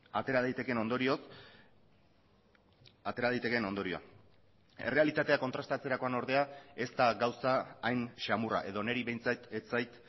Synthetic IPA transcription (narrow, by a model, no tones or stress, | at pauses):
at̪e̞ɾaðajt̪e̞ke̞no̞nd̪oɾio̞s | at̪e̞ɾaðajt̪e̞ke̞no̞nd̪o̞ɾio̞a̰ | e̞re̞alit̪at̪e̞akot̪ɾast̪at͡se̞ɾako̞ano̞ɾðe̞ae̞st̪aɡawsaːjnʃamura̰ʔe̞ðo̞ne̞ɾiβe̞jnt͡sat̪et͡sajt̪